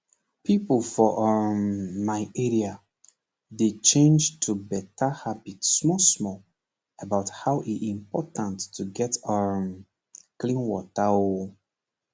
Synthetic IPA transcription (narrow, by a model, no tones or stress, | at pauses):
pipəlˠfɔʔəmmaɪɛɹia | det͡ʃẽnd͡ʒtʰubɛtahabitsmɔsmɔl | əbaʊthaʊʔiĩmpɔtə̃ntːʰuɡɛtəm | klĩnwɔtao